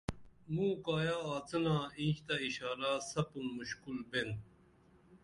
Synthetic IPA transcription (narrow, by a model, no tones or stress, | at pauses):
mũːkaːjaːt͡sɐnaːĩːɕt̪aiɕaːɾaːsɐpunmuɕkulben